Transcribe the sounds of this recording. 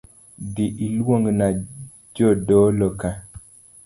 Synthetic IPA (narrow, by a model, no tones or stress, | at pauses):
diʔilwoŋɡna | d͡ʒɔdɔlɔka